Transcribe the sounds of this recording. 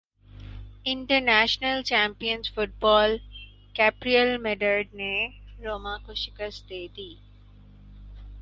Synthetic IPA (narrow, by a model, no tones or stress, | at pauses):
ɪɳʈəɾnæːʃnəlt͡ʃɛːmpijənzfʊʈ̚bɔːl | kɛpɾiəlmeɖəɾɖneɾoːmãːkoʃɪkəst̪d̪eːd̪iː